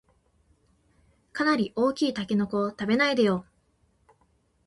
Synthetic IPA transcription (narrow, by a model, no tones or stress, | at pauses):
kanaɾʲiʔo̞ːkʲiːt̪akʲeno̞ko̞t̪abe̞naid̪ejo̞